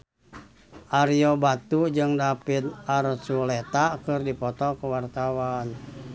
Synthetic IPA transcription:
ʔaɾiɔbat̪ud͡ʒɨŋdapit̪aɾsulet̪akɨrdipɔt̪ɔkuwart̪awan

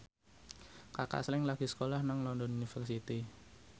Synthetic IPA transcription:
kaka̰slɪŋlaɡ̥i̤sə̥kolahnaŋlɔndɔnunifərsit̪i

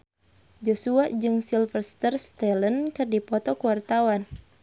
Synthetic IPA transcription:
d͡ʒɔsuaʔd͡ʒɨŋsilfərsi̥t̪ərst̪ɛlənkɨrdipɔt̪ɔkuwart̪awan

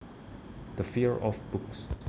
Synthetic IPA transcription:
d̥əfiɹɔfb̥ʊks

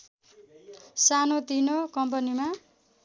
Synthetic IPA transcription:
sanot̪inokʌmp̬ʌnima

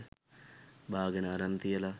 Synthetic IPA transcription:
bʱaːɡɐnaːɾɐnt̪ijɐlɐ

